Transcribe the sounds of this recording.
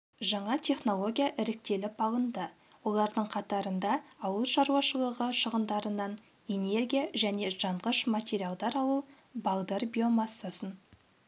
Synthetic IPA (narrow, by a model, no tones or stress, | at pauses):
ʒɑɴɑt̪ʲʰe̞χno̞lˠo̞ɡʲijaʔɪɾɪk̚t̪e̞lɪpɑlˠənd̪əwo̞lˠɑɾd̪əɴqʰɑt̪ɑɾənd̪ɑːwəlˠʃɑɾuɑʃəlˠəʁəʃəʁənd̪ɑɾənɑn | e̞ne̞rɡʲijaʒæne̞ʒɑɴʁəʃmat̪ʲeɾʲijalˠd̪ɑɾɑlˠu | bɑld̪erbʲio̞mɑsːasən